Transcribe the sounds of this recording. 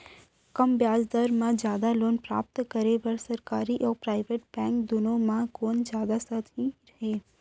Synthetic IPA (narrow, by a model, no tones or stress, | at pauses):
kəmbjaːd͡ʒd̪əɾmãd͡ʒjaːd̪aloːnpɾa̰ːp̚t̪kəɾeʋɐɾsɐɾkaːɾiʔɔːɾpɾaːɪʋeʈ̚bɛ̃ːŋkd̪ʊnõmãkoːnd͡ʒjaːd̪asət̪iɾɐɦeː